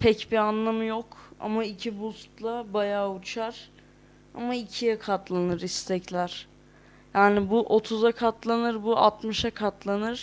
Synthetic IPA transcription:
pʰɛcbianlˠamjoka̰maicʰibust̪lˠabajaːut͡ʃʰaɾ̥ | a̰maicʰijɛkʰat̪lˠanɯɾist̪ʰɛclʲæɾ̥ | jaːnɪbuʔo̞t̪ʰuzakʰat̪lˠanɯɾbuʔa̰t̪mɯʃakʰat̪ʰlˠanɯɾ̥

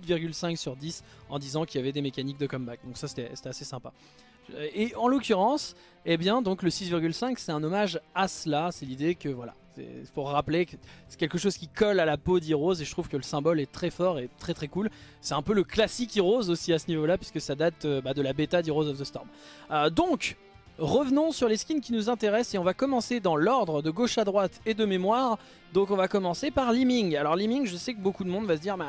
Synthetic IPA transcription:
ut̪viʁɡʲylsɛ̃ksyʁd̪is | ɑ̃d̪izɑ̃kiljavɛd̪emekanik̚d̪əkɔmbak̚d̪ɔ̃ksase̥t̪ɛse̥t̪ɛasesɛ̃pa | eɑ̃lokʲyʁɑ̃s | ebjɛ̃d̪ɔ̃kləsisviʁɡʲylsɛ̃ksɛt̪ɛ̃nɔmaʒasəlasɛlid̪ekəvwala̰sɛ̰puʁːaplekəsɛ̥kʲɛlkəʃoz̥kʲikɔlalapod̪iʁozeʒət̪χuv̥kələsɛ̃bɔlɛt̪χɛfɔʁet̪χɛt̪χɛkul | sɛt̪ɛ̃pøləklasikiʁozosiasənivolapɥi̥skəsad̪at̪øbad̪əlabet̪ad̪iʁozɔfd̪əst̪ɔʁmød̪ɔ̃k | ʁəvnɔ̃syʁleskʲinkʲinuzɛ̃t̪eʁɛseɔ̃vakɔmɑ̃sed̪ɑ̃lɔʁd̪ʁəd̪əɡoʃad̪ʁwat̪ed̪əmemwaːʁ | d̪ɔ̃kɔ̃vakɔmɑ̃sepaʁlimiŋalɔʁlimiŋʒəsɛkəbokud̪əmɔ̃d̪vasəd̪iʁmɛ̃

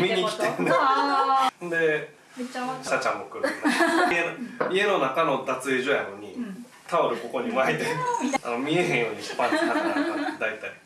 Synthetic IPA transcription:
mʲiɲikʲi̥t̪end̪e | hõnd̪e̞ | ɕat͡ɕãmːokɯɾienie̞nonakano̞d̪at͡sɨeʑojano̞ɲ̟i | t̪ʰaoɾɯ̟ko̞ko̞ɲ̟imaet̪ea̰omʲie̞ɦẽɰ̃jo̞ːɲ̟ikpaaaad̪ait̪ːai

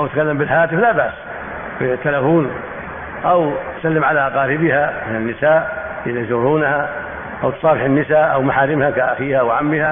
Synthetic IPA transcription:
ʔawt̪kalːambɪlhaːt̪ɪflaːbaʔs | bɪt̪ːalafuːn | ʔawt̪salːɪmʕalaʔqɑːɾɪbɪhamɪnanːɪsaːʔ | jɪlad͡ʒuːɾuːnha | ʔawt̪sˤɑːbɪħɪnːɪsaːʔawmaħaːɾɪmhakaʔaxiːhawʕamːɪha

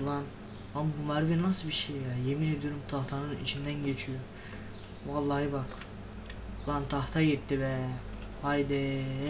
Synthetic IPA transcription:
lˠan | ambumæɾvinasɯbiʃejjajemined̪ijo̞ɾumt̪ʰɑht̪ʰanɯnḭt͡ʃʰind̪ænɟet͡ʃʰyjo | vɑlˠːɑɦɯbɑk | flˠant̪ʰɑht̪ʰɑjet̪ːivɛ | hajd̪ɛ

